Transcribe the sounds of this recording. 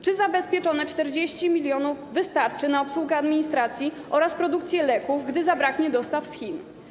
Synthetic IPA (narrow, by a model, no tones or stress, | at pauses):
t͡ʂɘzabɛspʲjɛt͡ʂɔnɛt͡ʂt̪ɛɾd͡ʑeɕt͡ɕimʲilʲjɔnuvːɘst̪aɾt͡ʂɘnaɔpswuɡɛad̪mʲiɲist̪ɾat̪sʲjiʔɔɾaspɾɔd̪ukt̪sʲjɛlɛkuvɡd̪ɘzabɾakɲɛd̪ɔst̪afsxʲin